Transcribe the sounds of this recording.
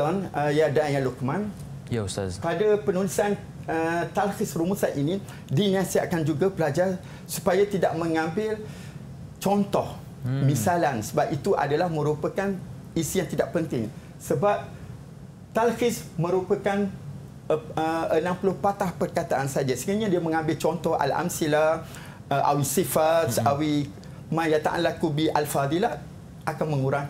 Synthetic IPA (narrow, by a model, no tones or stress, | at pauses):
ɔnəjadajalukmãn | padapənulisan | ət̪alhɪsruməsanʔinĩ | dinãsia̰ʔkand͡ʒuɡapəlad͡ʒar | supajat̪idaʔmə̃ŋãmbɪl | t͡ʃɔnt̪ɔh | mĩsalansəbap̚it̪uʔa̰dalahmə̃ɾupəkan | isijaŋt̪idaʔpənt̪ɪŋ | səbap̚ | t̪alfɪsmə̃ɾupəkan | əənãmpulʊhpat̪ahpərkat̪aʔansad͡ʒasiŋaɲãdiamə̃ŋãmbɪlt͡ʃɔnt̪ɔha̰la̰msila | əʔa̰wisifat̪sawi | mãjat̪a̰ʔa̰nlakubiʔalfad̪ila | ʔakanmə̃ŋuɾaŋ